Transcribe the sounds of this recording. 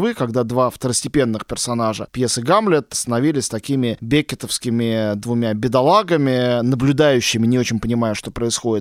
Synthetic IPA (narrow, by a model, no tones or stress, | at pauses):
vɨkɐɡd̪ad̪vaft̪əɾəsʲtʲɪpʲe̞nːɨxpʲɪrsɐn̪aʐəpjesɨɡamlʲɪt̪st̪ənɐvʲilʲɪsʲsʲt̪ɐkʲimʲɪbʲekʲɪt̪əfskʲɪmʲɪd̪vʊmʲabʲɪd̪ɐlˠaɡəmʲɪnəblʲʊd̪ajʉɕːɪmʲɪnʲɪo̞t͡ɕɪnʲpənʲɪmajʊʂt̪o̞pɾəɪsxo̞dʲɪt̪